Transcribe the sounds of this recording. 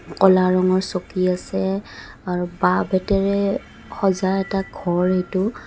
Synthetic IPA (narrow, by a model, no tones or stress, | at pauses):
kɔlaɹɔŋɔɹsokiasɛ | aɹubabɛtɛɹɛ | xɔzaɛtaɡʱɔɹejtʊ